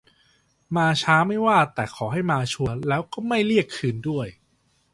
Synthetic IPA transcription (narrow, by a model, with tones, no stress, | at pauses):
maː˧t͡ɕʰaː˦˥ma˥˩jwaː˥˩t̪ɛː˨˩kʰɔː˩˦ɦa˥˩jmaː˧t͡ɕʰu˧əlɛː˦˥wkɔː˥˩ma˥˩jli˥˩əkʰːɯː˧ndu˥˩əj